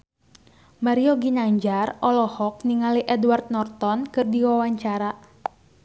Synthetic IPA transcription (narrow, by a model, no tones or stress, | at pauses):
maɾioɡinaɲd͡ʒarʔɔlɔhɔk̚niŋaliʔɛdwart̪̚nɔrt̪ɔnkɨrdiwawaɲt͡ʃaɾa